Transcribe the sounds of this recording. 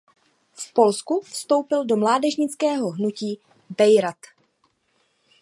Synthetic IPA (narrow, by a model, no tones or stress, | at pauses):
fpo̞lskufst̪o̞wpɪldo̞mlaːdɛʒɲɪt͡skɛːɦo̞ɦnuciː | bɛjɾat̪